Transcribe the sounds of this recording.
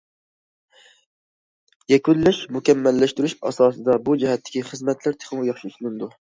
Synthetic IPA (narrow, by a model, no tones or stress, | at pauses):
jɛkʲylːæʃmukʲɛmːɛlːɛʃt̪yɾyʃɑ̰sɑːsɨd̪ɑbud͡ʒɛɦɛt̪ʰːɪ̥kʲiχɨzmɛt̪ʰlæɾt̪ʰe̥χmujɑχʃiyslɪnd̪u